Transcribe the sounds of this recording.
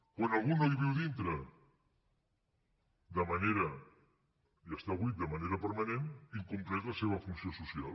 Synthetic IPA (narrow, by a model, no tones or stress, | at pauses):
kwanalˠɣunoðiβiwðint̪ɾə | d̪əmaneɾɐ | iəst̪aβɣwit̪̚d̪əmaneɾəpəɾmaneniŋkumplɛzləseβ̞əfunsiosusial